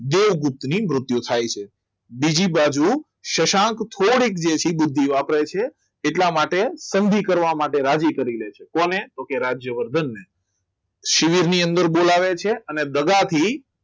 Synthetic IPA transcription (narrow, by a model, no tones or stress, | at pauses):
d̪eʋɡʊp̚t̪ːnimɾʊt̪jut̪ʰajt͡ʃʰe | bid͡ʒibad͡ʒu | ʃəʃãkt̪ʰoɽikd͡ʒet͡ʃʰibʊd̪ʱːiʋapɾet͡ʃʰeː | ʈlamaʈesənd̪ʱikəɾʋamaʈeɾad͡ʒikəɾilet͡ʃʰekonet̪okeɾad͡ʒjəʋəɾd̪ʱənːe | ʃiʋiɾniənd̪əɾbolaʋet͡ʃʰeəned̪əɡat̪ʰi